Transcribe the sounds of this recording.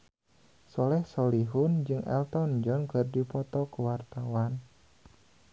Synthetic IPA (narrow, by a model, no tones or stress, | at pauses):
sɔlɛhsɔliɦʊnd͡ʒɨŋɛ̰lt̪ɔnd͡ʒɔnkɨrdipɔt̪ɔkəwart̪awan